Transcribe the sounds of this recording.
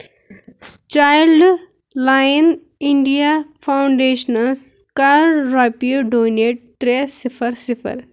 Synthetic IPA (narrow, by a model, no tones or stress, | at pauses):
t͡ʃaːjlɖ | laːjn | iɳɖijapʰawɳɖeːʃnɐlskaɾɾaːpioɖoːmneʈ̚t̪ɾesifʰɐɾsifʰə̰ɾ